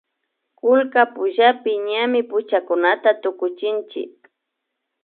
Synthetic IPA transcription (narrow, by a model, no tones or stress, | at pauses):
kʊlkapʊʒapɪɲamɪpʊt͡ʃakʊnat̪at̪ʊkʊt͡ʃɪnt͡ʃɪ̰k̚